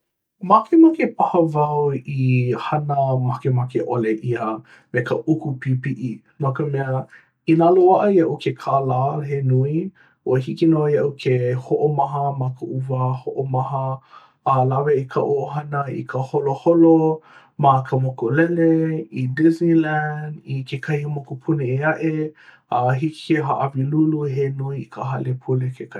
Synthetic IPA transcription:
makʰemakepahəvɐwihɐnəmakemakeʔoleʔiə | mekəʔukupipiʔi | mɐkəmɛə | inaloaʔəjɐʔukʰekʰalaːɦenui | uəhikinojɐʔukʰehoʔomɐɦəmɐkəʔuvəhoʔomɐɦə | laveʔikʰə̰ʔoʔoɦɐnəḭkʰəholoholo | makʰəmokolɛleidiznilændikekʰɐhimokupʰuneeaʔe | ɐɦiki̥keɦaʔaviluluɦenuiikəɦɐlepʰulekʰeka

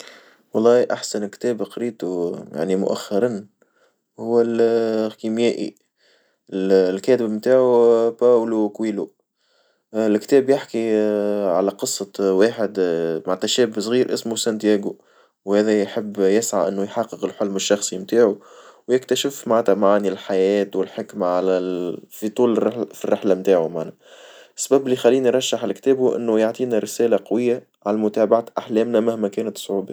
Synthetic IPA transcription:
wɑlˤːɑːiʔaħsænkt̪ɛːbqɑɾiːt̪uja̰ʕnimʊ̰ʔæ̰xːɑɾˤɑn | hʊwːælkimjæːʔḭ | ɪllkɛːt̪ɪbmt̪aːʕupæːwlukwiːlu | lkt̪ɛːbjɪħkiʕalæqɨsˤːɑwaːħɪd̪maʕt̪æʃɛːbsˤɣiːɾʔɪsmusænt̪jæːɡu | whæːðæjħɪbːjɪsʕa̰ʔɪnːʊjħɑqːəqəlħolmɪʃːɑxsˤimt̪aːʕuwjɪkt̪æʃɪfmaʕt̪æmaʕanilħajɛːt̪wɪlħɪkmaʕalæfit̪ˤuːlrħfirːɪħlamt̪aːʕumaʕnæ | sːabæbɪlːixælːiːniɾˤɑʃːaħɪlkt̪ɛːbuʔɪ̰nːʊjaʕt̪ˤiːnæɾɪsæːlaqɑwɪjːa | ʕalæmʊt̪æːbaʕat̪ʔaħlɛːmnæmahmækɛːnæt̪sˤʕuːba

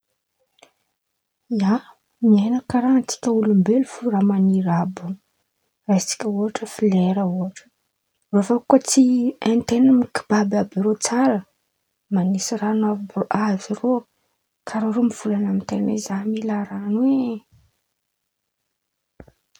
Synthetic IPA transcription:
ia | mianakaɾanat͡si̥kʲəulumbelufuramaniɾabu | rait͡si̥kʲəuaʈ͡ʂəfileɾəuaʈ͡ʂə̥ | vofakːot͡sient̪enamiki̥b̥ababiɾot͡saɾə | manisiranavoʔaziro | kʰaɾaɾomiv̥ulanamint̪enḛzamilaɾanwe

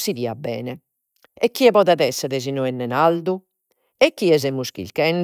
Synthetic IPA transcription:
siðiːabːɛ̰ːnɛ | ɛkːiɛpɔːðaðɛsːɛðɛz̬inɔɛnːɛnald̪u | ɛkːiɛz̬ɛmːuskḭlkɛn

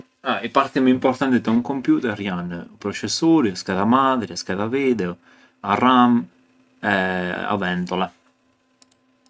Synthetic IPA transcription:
aipaɾt̪imimpɔrt̪ant̪id̪auŋkompjuːt̪ɛɾjanːpɾot͡ʃesːoːɾjskaðamad̪ɾiskaðaviːd̪eo | aram | ɛa̰vɛnt̪olɛ

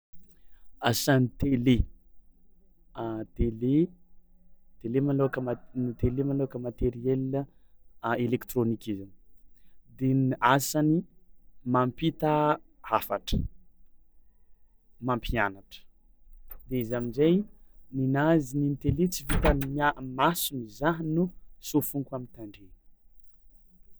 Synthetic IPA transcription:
asanit̪ele | t̪ele | t̪elemanokəmanit̪elemanoakəmat̪eɾiel | elekt̪ronikʲiza | d̪enasanimampit̪əhafaʈ͡ʂə̥ | mampʰianaʈ͡ʂə̥ | d̪eizaminzajninazinint̪elet͡sivit̪əmamasunizaɦnusofuŋkwamint̪aɳɖ͡ʐe

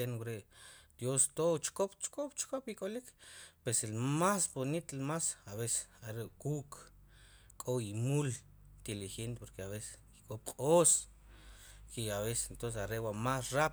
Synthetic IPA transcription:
enwɾeʔd̪̥jost̪ot͡ʃkopt͡ʃkʼop̚t͡ʃkopikʼolikpeselmasbonit̪lmasaβese̥saɾeʔkuʔk | kʼoimul | t̪ilixent̪epoɾkeaβese̥kikʼop̚qʼoːs | kiaβese̥ent̪onsesaɾeʔwamasrap

